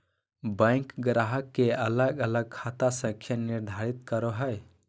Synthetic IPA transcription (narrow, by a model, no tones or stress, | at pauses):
bə̃jŋkɡɾaɦəkːeələɡələɡ̚kʰat̪asə̃ŋkʰjaniɾd̪ʱaɾit̪̚kəɾoɦəj